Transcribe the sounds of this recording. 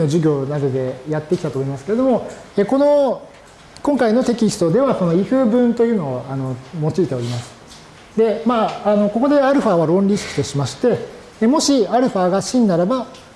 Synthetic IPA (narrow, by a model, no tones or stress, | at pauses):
noʑɨɡʲo̞ːnad̪o̞d̪e̞jat̪ːe̞kʲit̪at̪oːmoimasɨ̥ke̞ɾe̞d̪o̞mo̞eko̞no̞ | kõ̞ŋkaino̞t̪e̞kʲist̪o̞d̪e̞βaso̞no̞iɸɯːbɯ̟̃nt̪o̞jɯ̟ːno̞ːano̞mo̞t͡ɕiiːt̪e̞o̞ɾʲimasɨ̥ | d̪e̞maːno̞ko̞ko̞d̪e̞aɾɯ̟ɸaβaɾõ̞nɾʲisɨ̥kɯ̟̥t̪o̞ɕimaɕi̥t̪e̞ː | mo̞ɕiaɾɯ̟ɸaːɡaɕĩnd̪aɾaba